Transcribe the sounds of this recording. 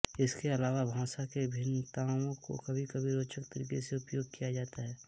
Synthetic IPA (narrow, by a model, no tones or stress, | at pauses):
ɪskeɐlaːʋabʱãːsakebʱɪnt̪aːwõko̰kɐbʱikɐbʱiɾoːt͡ʃək̚t̪əɾḭːkeseʊpjoːɡ̚kijad͡ʒaːt̪aɦɛː